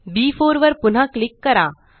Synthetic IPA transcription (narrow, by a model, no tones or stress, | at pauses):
biːfoːɾʋəɾpʊn̤ãklɪkːəɾa